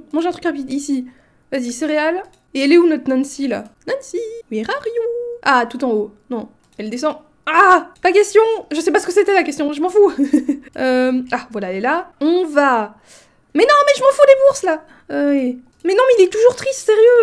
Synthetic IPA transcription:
mɑ̃ʒeɛ̃t̪χykʁapid̪isi | vaziseʁeal | eɛlɛunɔt̪χnãnsila̰nãnsiɛʁaʁjuat̪ut̪ɑ̃onɔ̃ | ɛld̪esɑ̃ | apakʲɛst̪jɔ̃ʒəsɛpasəkəset̪ɛlakʲɛst̪jɔ̃ʒəmɑ̃fu | øavwalaɛlɛlaɔ̃va | mɛnɔ̃mɛʒəmɑ̃fulebuʁsla | øɛ | mɛnɔ̃mɛilɛt̪uʒuʁt̪χist̪seʁjø

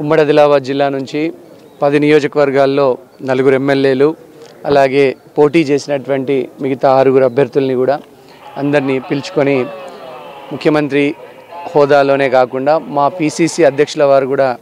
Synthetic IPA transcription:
umːɐɽɐd̪ilaːbaːd̪̚d͡ʒilːaːnuɲt͡ʃi | pɐd̪inijoːd͡ʒɐkɐʋɐɾɡaːlːo̞ː | nɐluɡuɾuemːelːe̞ːlu | ɐlaːɡe̞ː | po̞ːʈiːt͡ʃe̞ːsinɐʈuʋɐɳʈimiɡɐt̪aːɾuɡuɾuɐbʱjɐɾd̪ulɐnikuːɽaː | ɐnd̪ɐɾnipilt͡ʃu̥ko̞ni | mukʰjɐmɐnt̪ɾi | hɔːd̪aːlo̞ːne̞ːkaːkuɳɖaːmaːpiːsiːsiːɐd̪ʱjɐkʂulɐʋaːɾukuːɽaː

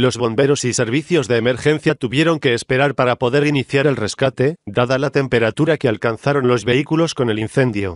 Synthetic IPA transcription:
lo̞zβo̞mbe̞ɾo̞sise̞ɾβ̞iθjo̞zðe̞ːme̞ɾxẽ̞n̟θjat̪uβje̞ɾo̞ŋke̞ːspe̞ɾaɾpaɾapo̞ðe̞ɾiniθjaɾe̞lre̞skat̪e̞d̪aðalat̪e̞mpe̞ɾat̪uɾakealkanθaɾo̞nlo̞zβe̞ikulo̞sko̞ne̞linθe̞nd̪jo̞̰

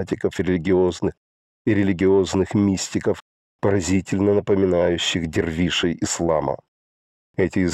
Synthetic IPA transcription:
tʲɪkəfɾʲɪlʲɪɡʲɪo̞znɨx | ɪɾʲɪlʲɪɡʲɪo̞znɨxmʲisʲt̪ʲɪkəf | pəɾɐzʲitʲɪlʲnənəpəmʲɪnajʉɕːɪxdʲɪrvʲiʂɨjɪslˠa̰mə̰ | ɛtʲɪɪz

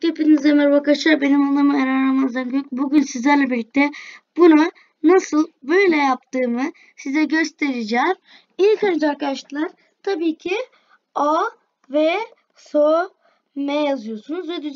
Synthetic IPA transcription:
kʰepinizemɛɾbakaʃabenimalˠːamɯaɾanamanzd̪ankʰøk̚buɟʲynsizlʲæɾlʲɛbiɾlʲːic̚t̪ʰɛb̥una | nasɯlˠbø̞jlʲɛjap̚t̪ɯːmɯ | sizɛɟø̞st̪ʰeɾid͡ʒɛz | ijkʰand͡ʒaɾkad̪aʃt̪ɯlˠaɾ | t̪ʰabiːcʰi | a | vɛ | so | mɛjazɯjo̞sunuzvɛd̪yz

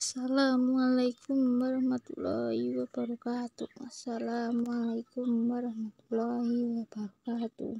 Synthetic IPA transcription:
asalamualajkumwaɾahmat̪ṵla̰hiwab̥aɾukat̪umasalamualajkumwaɾahmat̪ulaɦiwab̥aɾukat̪ṵ

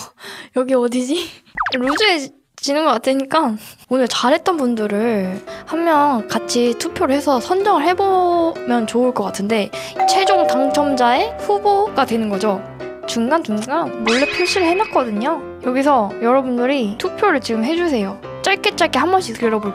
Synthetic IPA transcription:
jʌɡiʌdid͡ʑiɾud͡ʑue | t͡ɕinɯnɡʌk͈atʰɯɲik͈aonɯɭt͡ɕaɾɦe̞t̚t͈ʌnpundɯɾɯɭhamːjʌnkat͡ɕʰitʰupʰjoɾɯɭhe̞sʰʌsʰʌnd͡ʑʌŋɯɭhe̞bomjʌnt͡ɕouɭk͈ʌk͈atʰɯnde̞t͡ɕʰe̞d͡ʑoŋtaŋt͡ɕʰʌmd͡ʑae̞ɸuboɡ̥adwe̞nɯnɡʌd͡ʑo | t͡ɕuŋɡant͡ɕuŋɡanmoɭːepʰjuɭɕ͈ʰiɾɯɭhe̞nak͈ʌdɯɲo | jʌɡisʰʌjʌɾʌbundɯɾitʰupʰjoɾɯɭt͡ɕiɡɯmɦe̞d͡ʑusʰe̞jo | t͡ɕ͈aɭk͈e̞t͡ɕ͈aɭk͈ehambʌnɕʰiskeɾʌboɭ

